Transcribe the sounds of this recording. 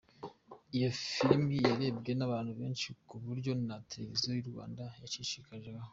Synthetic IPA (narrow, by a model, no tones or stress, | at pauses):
ijo̞fiɾmijaɾe̞ːbɡe̞naβaːnhuβe̞ːnʃikuβuɾɟo̞nateɾe̞vizojuɾɡwa̰ːndajaʃiʃikaʒeaho